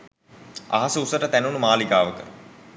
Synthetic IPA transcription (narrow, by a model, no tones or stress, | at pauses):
a̰ɦasəusəʈət̪ænunumaːliɡaːʋəkə